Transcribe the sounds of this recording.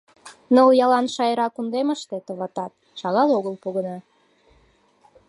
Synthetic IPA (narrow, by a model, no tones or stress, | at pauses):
nəljɑlɑnʃɑjəɾɑkund̪eməʃt̪et̪əβɑt̪ɑt̪̚ | ʃɑɣɑloɣəlpuɣənɑ